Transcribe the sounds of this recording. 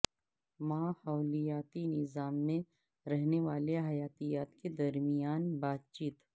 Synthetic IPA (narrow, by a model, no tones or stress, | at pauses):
mãːɐʊlijaːt̪inɪzaːmːẽ | ɾɛɦneʋaːleɦɐjaːt̪ijaːt̪ked̪ɐɾmijaːnbaːt̪t͡ʃiːt̪